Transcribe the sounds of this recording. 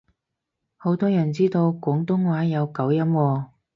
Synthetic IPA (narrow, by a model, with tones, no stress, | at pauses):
ho˨˥wt̪ɔː˥jɐ˨˩nt͡siː˥t̪o˧wkʷʊː˨˥ŋt̪ʊ˥ŋwaː˨˥jɐ˨˧wkɐ˨˥wjɐ˥mwɔː˧